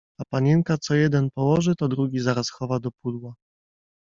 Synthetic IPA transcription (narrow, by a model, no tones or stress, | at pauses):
apaɲɛŋkat̪sɔjɛd̪ɛnpɔwɔʐɘt̪ɔd̪ɾuɡʲizaɾasxɔvad̪ɔpud̪wa